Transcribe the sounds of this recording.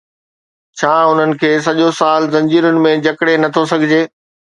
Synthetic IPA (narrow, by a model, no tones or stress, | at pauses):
t͡ɕʰaːʊn̤ənɪ̆kʰeːs̬ɐʄosaːlzɐ̃ɲd͡ʑiːɾʊnɪ̆mẽd͡ʑɐkɽenɐt̪ʰosɐɡʱɪd͡ʑeː